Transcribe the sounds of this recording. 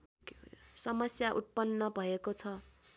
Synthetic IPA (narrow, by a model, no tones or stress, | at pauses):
sʌmʌsjaʔut̪̚pʌnːʌbʱʌekot͡sʰʌ